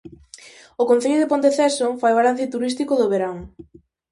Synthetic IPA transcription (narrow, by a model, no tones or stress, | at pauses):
okon̟θeʎʊðepont̪eθɛsoŋfajalan̟θjot̪uɾist̪ikoðoβeɾaŋ